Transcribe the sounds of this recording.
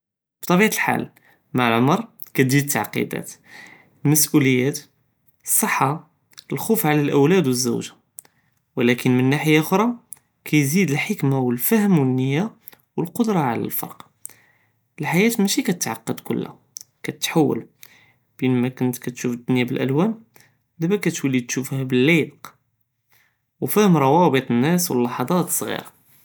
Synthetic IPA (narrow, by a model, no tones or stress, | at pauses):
b̥t̪ˤɑbiʕlħa̰l | maʕlʕoməɾˤ | kæt̪d͡ʒit̪ːaʕqḭd̪æ̰t̪ | lmæsʔuləjːæt̪ | əsˤːəħːa | əlxufʕalælʔəwlæd̪wəzːæ̰wʒḁ | wlækənmənːaħəjaʔxɾˤɑ | kʰæjzid̪əlħəkmawəlfæhəmwənːəjːa | wəlqod̪ɾˤɑʕlæ̰lfɑ̰ɾˤq | əlħajæt̪mæʃikæt̪ət̪ʕaqːəd̪kʊ̰lːæ̰ | kæt̪ət̪ħawːə̰l | b̥inmækʊnt̪kæt̪ʃufəd̪ːʊnjabəlʔæ̰lwæn | d̪æbækæt̪wælːid̪̚t̪ʃufhæbəlːib̪q | wfæhəmɾˤɑwɑbət̪ˤənːæswə̰lːɑħɑd̪ˤɑt̪ə̥sˤɣḭɾɑ